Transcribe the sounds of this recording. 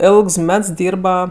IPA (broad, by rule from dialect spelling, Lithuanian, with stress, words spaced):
ˈeːlˠks ˈmʲɛts ˈdʲiːrbɐ